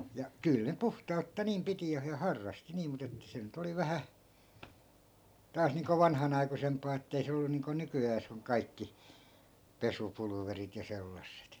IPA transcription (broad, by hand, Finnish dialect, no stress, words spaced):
jɑ kyˑl ne puhtɑutːɑ niːm piti jɑ hɑ hɑrːɑsti niːm mut etːæ se nyt oli ʋæhæ tɑːs niːŋko ʋɑnhɑnɑi̯kusempˑɑː etːei se olːu niːŋko nykyæːs oŋ kɑikːi pesupulŭʋerit jɑ selːɑsːet